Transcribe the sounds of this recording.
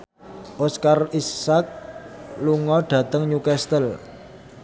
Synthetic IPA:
ʔoskarisːak̚luŋɔɖ̥ä̤t̪əŋɲukɛst̪əl

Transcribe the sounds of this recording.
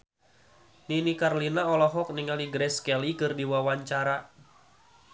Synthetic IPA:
ninikarlinaɔlɔɦɔk̚niŋaliɡɾɛskɛlikɨrdiwawaɲt͡ʃaɾa

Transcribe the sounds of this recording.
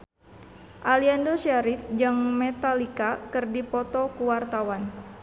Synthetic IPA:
ʔaliandosiaɾifd͡ʒaŋmet̪alikakɨrdipɔt̪ɔkuwart̪awan

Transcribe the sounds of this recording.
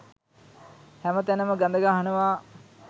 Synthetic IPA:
hæmət̪ænəməɡand̪əɡaːɦanəʋaː

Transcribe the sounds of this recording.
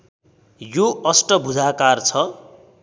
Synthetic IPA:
joʌsʈʌbʱud͡zʱakart͡sʰʌ

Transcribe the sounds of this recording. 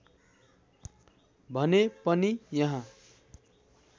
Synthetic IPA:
bʱʌnepʌnijʌɦã

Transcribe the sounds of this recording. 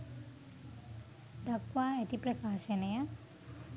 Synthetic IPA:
d̪akʋaːæt̪ipɾɐkaːʃɐneja

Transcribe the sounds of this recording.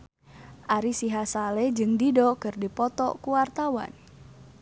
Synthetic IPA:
ʔaɾisiɦasaled͡ʒɨŋdidɔkɨrdipɔt̪ɔ̰kuwart̪awa̰n

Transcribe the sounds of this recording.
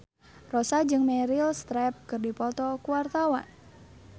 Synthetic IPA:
rɔsad͡ʒɨŋmɛɾilst̪ɾɛp̚kɨrdipɔt̪ɔkuwart̪awa̰n

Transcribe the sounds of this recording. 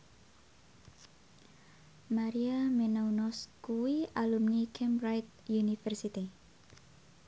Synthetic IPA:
maɾiamenaunɔskuwialumnikʰɛmɾajt̪̚ | junifɛrsit̪i

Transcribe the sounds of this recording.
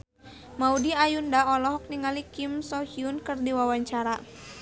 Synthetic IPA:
maudiajundaɔlɔɦɔk̚niŋalikimsɔhiunkɨrdiwawaɲt͡ʃaɾa

